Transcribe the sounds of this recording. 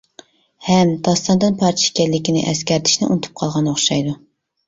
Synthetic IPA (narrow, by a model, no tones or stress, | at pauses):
hɛmd̪ɑst̪ɑnd̪ɨnpʰɑɾt̪ʰʃkʲɛɾlːɪkʲinɪ̰ʔɛskʲɛɾt̪ʰɪ̥ʃnɪʔṵnt̪ʰu̥p̚qʰɑlˠʁɑnoχʃɑjd̪u